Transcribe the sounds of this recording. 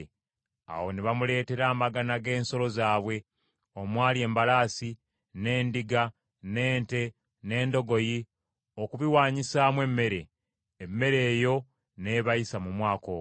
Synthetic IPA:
a̰wo̞niβamule̞ːte̞ɾaːmaɡanaɡe̞ːnso̞lo̞zaːβwe̞ | o̞mwaːlie̞ːmbalaːsi | ne̞ːndiɡa | ne̞ːnte̞ | ne̞ːndo̞ɡo̞ji | okuβiwaːɲisaːmwe̞mːe̞ɾe̞ː | mːe̞ɾe̞ːjo̞ | ne̞βajisamumwaːko̰ː

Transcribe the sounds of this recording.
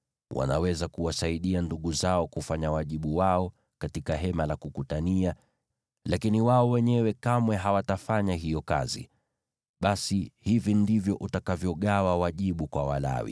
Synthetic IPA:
wʔa̰nawɛzakuwasaiɗianduɠuzaɔkufaɲawaʄiɓuwaɔ | katikaɦɛmalakukutania | lakiniwaɔwɛɲɛwɛkamwɛɦawatafaɲaɦijɔka̰zḭ | ɓasihivindivjɔʔutakavjɔɠawawaʄiɓukwawa̰la̰wḭ

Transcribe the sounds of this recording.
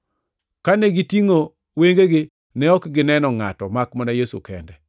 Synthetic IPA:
kanɛɡɪtiŋo | weŋɡeɡɪ | nɛɔkɡɪnɛnɔŋatɔmakmanajesṵkɛ̰ndɛ

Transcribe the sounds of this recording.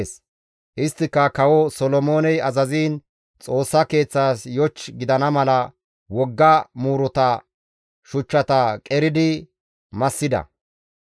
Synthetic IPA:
s | ʔɪst̪ːɪkːɐkɐwɔsɔlɔmoːnɛjɐzɐziːn | t͡sʼo̞ːsːɐke̞ːt͡sːaːsjɔt͡ʃːɡɪd̪ɐnɐmɐlɐ | wɔɡːɐmuːɾɔt̪ɐ | ʃʊt͡ʃːɐt̪ɐkʼɛɾɪd̪ɪ | mɐsːɪd̪ɐ̰

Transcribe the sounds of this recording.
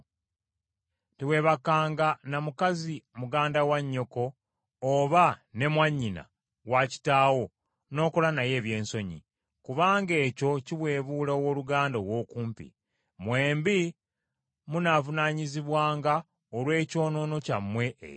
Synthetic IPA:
tiwe̞ːβakːaːŋɡanamukazimuɡaːndawaɲːo̞ko̞ː | βane̞mwaɲːina̰ | waci̥taːwo̞ | no̞ːko̞lanaje̞ːβje̞ːnso̞ɲḭ | kuβaːŋɡe̞ːco̞ciβwe̞ːβuːlaowo̞ːluɡaːndawo̞ːkuːmpḭ | mweːmbi | munavunaɲiziβwaːŋɡa | olwe̞ːco̞ːno̞no̞camːwe̞̰

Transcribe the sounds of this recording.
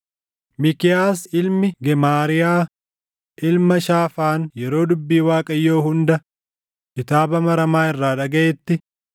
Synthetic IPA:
mɪkɪjaːsɪlmɪɡɛmaːɾɪjaː | ʔɪlmɐʃaːfaːnjɛɾo̞ːd̪ʊbːiːwaːkʼɐjːoːhʊnd̪ɐ | kɪt̪aːbɐmɐɾɐmaːɪrːaːᶑɐɡɐeːt̪ːɪ

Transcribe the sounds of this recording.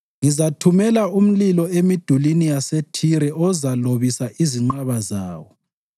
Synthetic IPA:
ŋizatʰumɛlaum̩lilɔemid̥ʱulinijasetʰiɾɛʔɔzaloβisaʔiziŋ͡ǃaβaza̰ːwɔ

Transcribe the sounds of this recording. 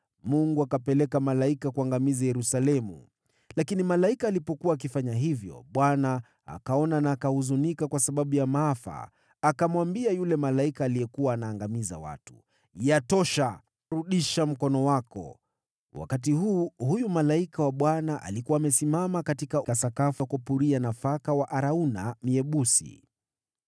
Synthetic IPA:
muŋɡuakapɛlɛkamalaikakuaŋɡamizajɛɾusalɛmṵ | lakinimalaikaːlipɔkuwaːk̬ifaɲaɦivjɔ̰ɓwana | a̰kaɔnanaːkahuzunikakwasaɓaɓujamaafa̰ː | kamwambiajulɛmalaikaːlijɛkuwaːnaːŋɡamiza̰wa̰tu̥ | jatɔʃa | ɾuɗiʃam̩kɔnɔwakɔ̰ | wa̰kat̬iɦuːhujumalaikawaɓwanaʔa̰likuaːmɛsimamakatikakasakafakɔpuɾianafakawaʔaɾaunamiɛɓusḭ

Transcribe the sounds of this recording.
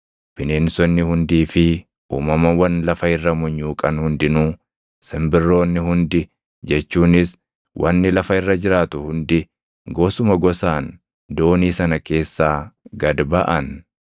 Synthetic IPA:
pɪneːnsɔnːɪhʊnd̪iːfɪ | ṵːmɐmɐwɐnlɐfɐɪrːɐmʊɲːuːkʼɐnhʊnd̪ɪnuː | sɪmbɪrːo̞ːnːɪhʊnd̪ɪ | d͡ʒɛt͡ʃːuːnɪs | wʔɐnːɪlɐfɐɪrːɐd͡ʒɪɾaːt̪ʊhʊnd̪ɪ | ɡo̞ːsʊmɐɡɔsaːn | d̪o̞ːniːsɐnɐke̞ːsːaːɡɐd̪bɐʔɐn

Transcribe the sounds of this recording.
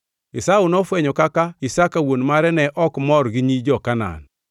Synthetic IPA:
isaunɔfwɛɲɔkakaisakawonmaɾɛnɛʔɔkmɔɾɡiɲid͡ʒɔkana̰ːn

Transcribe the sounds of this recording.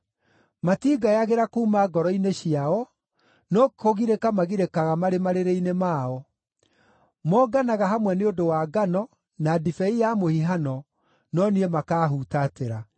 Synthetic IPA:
matiɡajaɣeɾakuumaɡɔɾɔineɕiaɔ | nɔkoɣiɾekamaɣiɾekaɣamaɾemaɾeɾeinemaːɔ | mɔːɡanaɣaɦamwɛneodowaːɡanɔ | nadifɛijamohiɦanɔ | nɔniɛmakaːɦutateɾa

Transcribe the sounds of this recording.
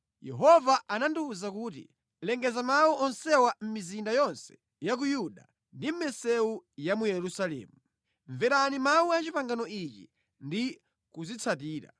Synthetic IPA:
jɛ̰ɦɔvaʔananduuzakuːt̬ḭ | lɛŋɡɛzamawuʔɔnsɛwam̩mizindajɔnsɛ̥ | jak̬ujuɗa | ndim̩mɛsɛujamujɛɾusalɛ̰ːmu | ɱvɛɾanimauat͡ʃipaŋɡanɔit͡ʃḭ | ndi | kuzit͡sʰatiːɾa̰

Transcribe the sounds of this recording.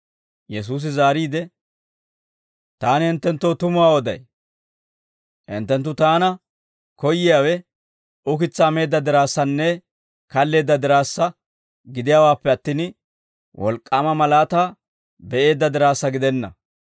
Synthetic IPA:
jɛs̬uːs̬ɪzaːɾiːd̪ɛ | t̪aːnɪhɪnt̪ːɛnt̪ːo̞ːt̪ʊmʊwaːwɔd̪ɐ̰j | ʔɪ̰nt̪ːɛnt̪ːʊt̪aːnɐ | kɔjːɪjaːwɛ | ʊkɪt͡sːɐːme̞ːd̪ːɐd̪ɪɾaːsːɐnːɛ | kɐlːe̞ːd̪ːɐd̪ɪɾaːsːɐ | ɡɪd̪ɪjaːwaːpːɛɐt̪ːiːn | wʔɔ̰lkʼːaːmɐmɐlaːt̪aː | bɛʔe̞ːd̪ːɐd̪ɪɾaːsːɐɡɪd̪ɛnːɐ̰

